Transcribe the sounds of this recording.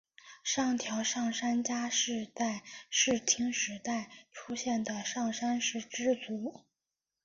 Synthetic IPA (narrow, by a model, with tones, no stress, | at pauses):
ʂɑ˥˩ŋt̪ʰjɑ˧˥ʊʂɑ˥˩ŋʂa˥nt͡ɕja˥ʂɻ̩˥˧t͡sa˥˧ɪʂɻ̩˥˩t̪ʰi˧˥ŋʂɻ̩˧˥t̪a˥˩ɪʈ͡ʂʰu˥ɕjɛ˥˩nd̪ə˩ʂɑ˥˩ŋʂa˥nʂɻ̩˥˩ʈ͡ʂɻ̩˥t͡su˧˥